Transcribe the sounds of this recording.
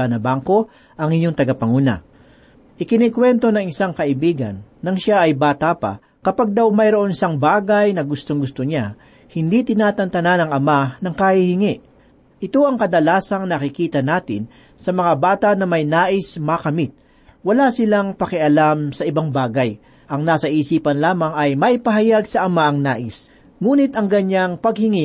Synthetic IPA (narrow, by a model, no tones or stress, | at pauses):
anɐbaŋko̞ | ʔɐŋɪɲoŋt̪ɐɡɐpɐŋuːnɐ̰ | ʔɪkɪnikwɛnt̪o̞nɐŋɪsaŋkɐʔɪbiːɡɐ̰nːɐŋʃaʔɐjbaːt̪apɐ̰ | kɐpaɡ̚d̪awmɐjɾoʔo̞nɪsaŋbaːɡɐjnɐɡʊst̪oŋɡʊst̪oɲa | hɪnd̪it̪ɪnaːt̪ɐnt̪ɐnanɐŋʔɐmanɐŋkɐhihɪŋɛʔ | ʔɪt̪o̞ʔɐŋkɐd̪ɐlaːsɐŋnɐkɪkiːt̪ɐnaːt̪ɪ̰n | sɐmɐŋabaːt̪ɐʔnɐmɐjnaːʔɪsmɐkɐmit̪̚ | wɐlasɪlaŋpɐkɪʔɐlamsɐʔɪbaŋbaːɡɐj | ʔɐŋnaːsɐʔiːsiːpɐnlaːmɐŋɐjmɐʔɪpɐɦɐjaɡsɐʔɐmaʔɐŋnaːʔɪs | ŋuːnɪt̪ɐŋɡɐɲaŋpɐɡ̚hɪŋi